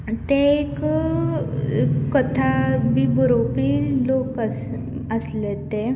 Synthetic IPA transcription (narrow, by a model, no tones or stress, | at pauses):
t̪eek | kət̪ʰabibɾopilokəs | əslet̪e